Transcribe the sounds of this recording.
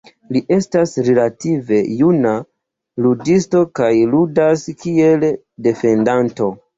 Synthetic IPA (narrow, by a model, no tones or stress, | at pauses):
liʔe̞stasɾe̞lative̞juna | ludisto̞kajludaskie̞l | de̞fe̞ndanto̞